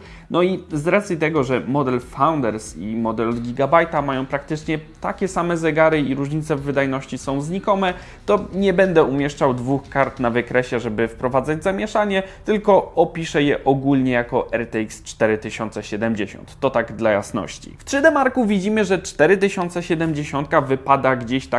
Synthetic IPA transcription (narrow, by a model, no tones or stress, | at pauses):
nɔizɾat̪sʲjit̪ɛɡɔʐɛmɔd̪ɛlfawnd̪ɛɾsḭmɔd̪ɛlɡʲiɡabajt̪amajɔ̃w̃pɾakt̪ɘt͡ʂɲɛt̪a̰kʲɛsamɛzɛɡaɾɘiɾuʐɲit̪sɛvːɘd̪ajnɔɕt͡ɕisɔ̃w̃zɲikɔmɛ | t̪ɔɲɛbɛnd̪ɛumʲjɛʂt͡ʂawd̪vuxkaɾt̪navɘkɾɛɕɛʐɛbɘfpɾɔvad̪zad͡ʑzamʲjɛʂaɲɛt̪ɘlkɔɔpʲiʂɛjɛʔɔɡulɲɛjakɔʔɛɾt̪ɛikst͡ʂt̪ɛɾɘt̪ɘɕɔnt̪sɛɕɛd̪ɛmd͡ʑeɕɔ̰nt̪ːɔt̪aɡd̪laja̰snɔ̰ɕt͡ɕḭft̪ʂɘd̪ɛmaɾkuvʲid͡ʑimɘʐɛt͡ʂt̪ɛɾɘt̪ɘɕɔnt̪sɛɕɛd̪ɛmd͡ʑeɕɔnt̪̚kavɘpad̪aɡd͡ʑeɕt̪a